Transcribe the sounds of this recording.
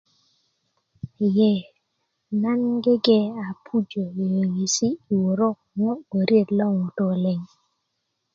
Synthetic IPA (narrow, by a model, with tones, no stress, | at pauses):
jɛ˦˨ | na˦nɡe˦ɡɛ˦a˨pʰu˦d͡ʒo˨e˨ji˨si˦i˨wo˨ɾo˦ | mɔ˦o˨ɾje˦˨tlɔ˦˨ŋɔ˨to˨le˨ŋ